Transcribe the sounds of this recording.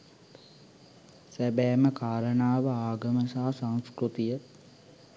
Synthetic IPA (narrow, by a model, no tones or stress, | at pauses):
sæbɛːməkaːɾənaːʋəaːɡəməsaɦasãŋ̃skɾut̪ijə